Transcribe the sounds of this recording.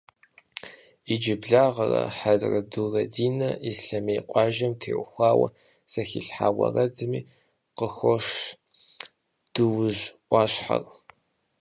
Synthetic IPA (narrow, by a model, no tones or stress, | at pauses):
id͡ʒɪbɮaːʁɐrɐ̰ħadrɐdurɐdiːnɐizɬɐmeːqʷʼɑːʒɐmtʰḛːʔʷʊxʷɑːwɐ̰ | sɐxiɬħa̰ːwɐ̰rɐdɨmiː | qəxʷɔʂ | d̥ɨwʑʔʷɑːɕħa̰r